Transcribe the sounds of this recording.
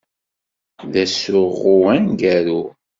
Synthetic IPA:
ðæsʊʁuænɡæɾu

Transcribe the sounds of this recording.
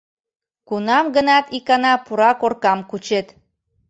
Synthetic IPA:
kunɑmɡənɑt̪ikɑnɑpuɾɑkorkɑmkut͡ɕet̪

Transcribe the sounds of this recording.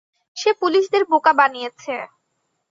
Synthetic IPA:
ʃepuliʃd̪eɾbokabanijet͡ɕʰe

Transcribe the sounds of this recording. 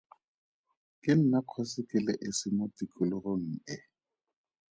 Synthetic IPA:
kʼɪn̩nakʰɔsɪkʼɪlɛʔɪsɪmʊtikʼʊlɪɣoŋ̩ɪ

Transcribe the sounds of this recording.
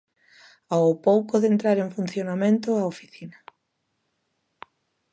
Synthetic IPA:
awpowkoðent̪ɾaɾeŋfun̟θjonamẽnt̪ʊaofi̥θina

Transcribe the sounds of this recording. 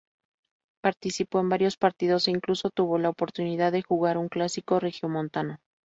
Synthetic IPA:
paɾt̪isipo̞embaɾjo̞spaɾt̪iðo̞seiŋkluso̞t̪uβo̞laopo̞ɾt̪uniðaðːe̞xuɣaɾuŋklasiko̞rexjomont̪ano

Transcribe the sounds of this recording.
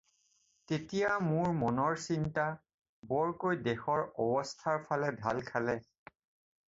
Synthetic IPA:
tetijamʊɹmɔnɔɹsinta | bɔɹkojdɛxɔɹɔbɔstʰaɹpʰalɛdʱa̰lkʰalɛ

